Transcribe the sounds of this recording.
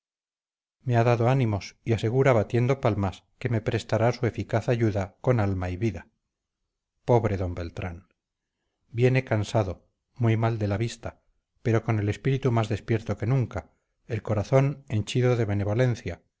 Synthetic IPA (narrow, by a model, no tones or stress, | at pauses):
me̞aðaðo̞animo̞siase̞ɣ̞uɾaβat̪je̞nd̪o̞palmaske̞me̞pɾe̞st̪aɾasue̞fikaθaʝuðako̞nalmaiβiða | po̞βɾe̞ðo̞mbe̞lt̪ɾan | bjene̞kansaðo̞ | mujmald̪e̞laβist̪a | pe̞ɾo̞ko̞ne̞le̞spiɾit̪umazðespje̞ɾt̪o̞ke̞nũŋka | e̞lko̞ɾaθo̞ne̞nt͡ʃiðo̞ðe̞βene̞β̞o̞le̞nθja